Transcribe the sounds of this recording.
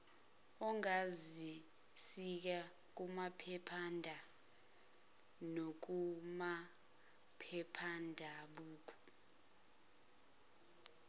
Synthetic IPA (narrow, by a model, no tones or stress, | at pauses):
ɔŋazi | sik̬a | k̬umapʰɛpʰandʱa | nok̬uma | pʰɛpʰandʱaɓuːk̬ʰu̥